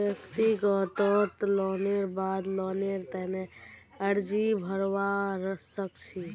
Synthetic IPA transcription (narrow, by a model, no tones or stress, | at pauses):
jəkt̪iɡɔt̪ɔt̪lɔːneɾbad̪lɔneɾt̪ɛne | əɾd͡ʒibʱəɾwaɾsəkt͡ʃʰi